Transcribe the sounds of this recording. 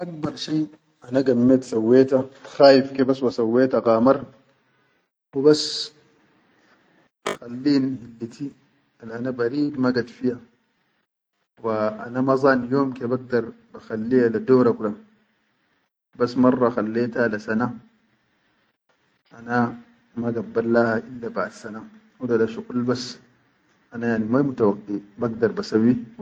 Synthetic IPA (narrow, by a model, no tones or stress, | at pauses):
ʔak̚bɑɾˤʃiː | ʔanaɡamːeːt̪sawːeːt̪axaːjifkebaswasawːeːt̪aɡaːmɑɾˤ | wibas | xalːiːnhilːit̪ʰi | alʔanabaɾiːd̪maɡad̪fija | waʔa̰namɑzˤɑːnjoːmkebaɡ̚d̪ɑɾˤ | baxalːihalad̪oːɾakulam | basːmɑrˤːɑxalːeːt̪alasana | ʔana | maɡabːalːahaʔilːabaʕd̪sanahudalaʃuqulbas | ʔanajaʕnimajmut̪awɑqːibaɡd̪ɑɾˤbasawːi